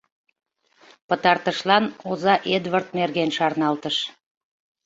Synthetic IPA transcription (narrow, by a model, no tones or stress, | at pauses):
pət̪ɑrt̪əʃlɑnozɑʔed̪βərt̪̚merɣenʃɑrnɑlt̪əʃ